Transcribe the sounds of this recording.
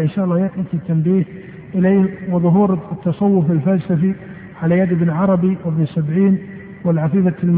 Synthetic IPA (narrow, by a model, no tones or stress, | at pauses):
ʔɪnʃaːʔɑlːɑːjatnɪt̪it̪ːambiːh | ʔɪleːhwɪðˤʊɦuːɾt̪ːɑsˤɑwːʊfalfalsafi | ʕalajad̪ɪbnʕɑɾˤɑbiwɪbnsabʕiːn | wɪlʕafiːfaɪlm